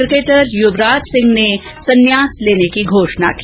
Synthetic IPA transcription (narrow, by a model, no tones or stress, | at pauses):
ɾkeːʈəɾjʊbɾaːd͡ʒ̪sɪ̃ŋɡne | sɐnjaːsleːnekiɡʱoːʂna̰kiː